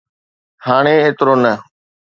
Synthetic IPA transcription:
haːɽ̃eeːt̪ɾoːnə

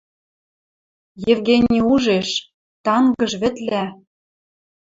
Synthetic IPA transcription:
jĕvɣenʲiuʒeʃ | t̪ɑŋɡɤ̆ʃβɘ̆t̪læ

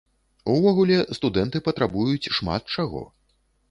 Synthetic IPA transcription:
uvɔɣulʲɛst̪ud̪ɛnt̪ɨpɐt̪ɾabujut͡sʲʂma̰t̪̚t͡ʂaɣɔ̰

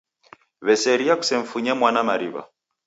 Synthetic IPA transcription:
βɛsɛɾiaku̥sɛɱ̩fuɲamwanamaɾiβa̰

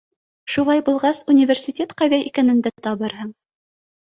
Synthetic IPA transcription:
ʃulˠɑjbulˠʁɑsunʲivʲersʲɪtʲet̪qɑjðæʔikænɘ̆nd̪æt̪ŏt̪ɑβɤɾɦɤɴ

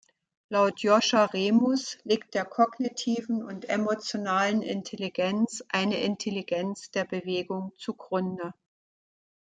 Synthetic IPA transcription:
laʊtʰjɔʃaʁeːmʊsliːk̚t̚d̥eːɐkʰɔɡnitʰiːvn̩ʊntʔemot͡sjonaːlənʔɪ̰ntʰeliɡɛnt͡sʔaɪnəʔɪntʰeliɡɛnt͡sd̥eːɐbəveːɡʊŋt͡suɡʁʊndə

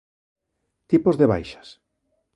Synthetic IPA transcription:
t̪ipozðeβa̰jʃḁs

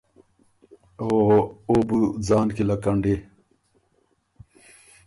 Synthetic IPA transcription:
ooːbud͡zaːnkilɐkɐɳɖe

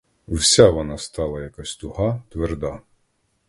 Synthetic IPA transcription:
wsʲaʋɔnɑst̪ɑlˠɐjakasʲt̪ʊhɑt̪ʋerd̪ɑ

